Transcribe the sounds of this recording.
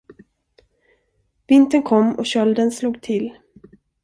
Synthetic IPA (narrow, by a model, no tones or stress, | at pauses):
v̥ɪnt̪ənkʰɔmːɔ̰ɕœld̪ənsluːɡt̪ʰɪl